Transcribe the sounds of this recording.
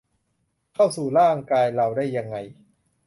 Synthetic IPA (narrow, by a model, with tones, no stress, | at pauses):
kʰa˥˩wsuː˨˩ɾaː˥˩˨ŋkaː˧jɾa˧wdaː˥˩jːa˧ŋːa˧j